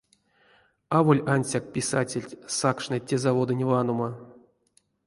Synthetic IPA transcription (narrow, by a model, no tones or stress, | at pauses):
avo̞lʲanʲsʲak̚pʲisatʲelʲtʲsakʂnɨtʲezavo̞d̪ɨnʲvanoma